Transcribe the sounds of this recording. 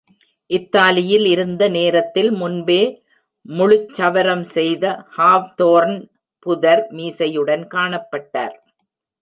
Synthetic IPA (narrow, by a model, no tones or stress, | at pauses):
ʔɪt̪ːaːlɪjɪlɪɾɯnd̪ɐneːɾɐt̪ːɪlmʊnbeː | mʊɻʊt͡ʃːɐʋɐɾɐmsɛjðɐhaːʋt̪oːɾn | pʊðɐɾmiːsɐjɯɽɐnkaːɳɐpːɐʈːa̰ːɾ